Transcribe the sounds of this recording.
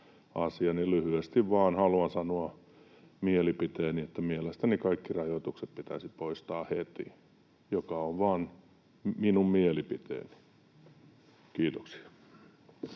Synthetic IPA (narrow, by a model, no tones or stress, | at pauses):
ɑsiɑnilyhyest̪iʋʋɑːnhɑluɑnsɑnoɑ | mielipit̪eːniet̪ːæmielest̪ænikɑikːirɑjot̪ukset̪pit̪æsipoist̪ɑːhet̪ḭ | jokɑoʋʋɑːn | minummielipit̪ḛːni̥ | kiːt̪oksi̥ɑ